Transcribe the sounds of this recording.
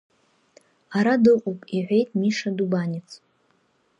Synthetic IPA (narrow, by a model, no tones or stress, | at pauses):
aɾadɨqʼowpʼiʕʷe̞jtʼmiʂadubanʲɪt͡sʰʼ